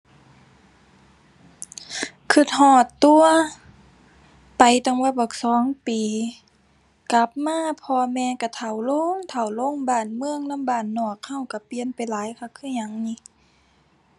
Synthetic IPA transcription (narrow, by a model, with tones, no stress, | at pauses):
kʰɯ˧˩t̪̚hɔː˧˩t̪ːu˧ɐ | pa˨˩jt̪a˧˨ŋbɔ˧˩˨bɔ˧˩˨k̚sɔː˨˦ŋpiː˨ | ka˧˦p̚maː˧˥˨pʰɔː˧mɛː˧ka˧˩t̪ʰa˨˩wlo˧˥˨ŋt̪ʰa˨˩wlo˧˥˨ŋbaː˧˩nmɯ˧ə˨ŋna˧˥˨mbaː˧˩nːɔː˧˩k̚ha˧˩wka˧˩pi˧˨ənpa˨jlaː˨˦jkʰa˧˩kʰɯː˧˥˩ɲa˨˩˦ŋni˧˨